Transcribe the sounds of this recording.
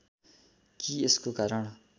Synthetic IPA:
kieskokaɾʌɳ

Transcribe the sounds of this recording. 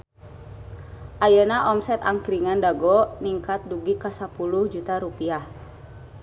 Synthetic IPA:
ʔajanaʔɔmsɛt̪aŋkɾiŋandaɡɔniŋkat̪̚duɡikasapuluhd͡ʒut̪aɾupiah

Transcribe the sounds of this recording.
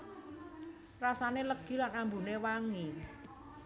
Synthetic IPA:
rasaneləɡ̥i̤lanambunewaŋi

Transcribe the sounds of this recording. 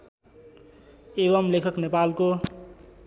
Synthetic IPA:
ebʌmlekʰʌknepalko

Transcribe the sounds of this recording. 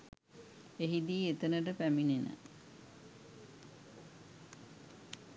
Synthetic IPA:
eɦid̪iːet̪ənəʈəpæminenə̰

